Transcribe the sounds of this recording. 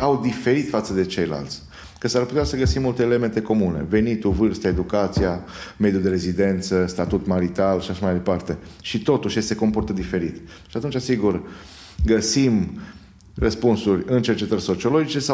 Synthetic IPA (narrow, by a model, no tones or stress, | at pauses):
awd̪ife̞ɾit̪fat̪səd̪e̞t͡ʃe̞jla̰lt̪sʲ | kəsarput̪easəɡəsimːult̪eːle̞me̞nt̪e̞ko̞mune̞̰ve̞nit̪uvɨrst̪ae̞d̪ukat̪sija | me̞d̪juld̪e̞ɾe̞zid̪e̞nt̪səst̪at̪ut̪maɾit̪alʃiaʃamajd̪e̞part̪e̞ʃit̪o̞t̪uʃje̞st̪e̞ko̞mpo̞rt̪əd̪ife̞ɾit̪ | ʃiat̪unt͡ʃasiɡur | ɡəsim | rəspunsurʲɨnt͡ʃe̞rt͡ʃe̞t̪ərʲso̞t͡ʃiolo̞d͡ʒit͡ʃe̞sa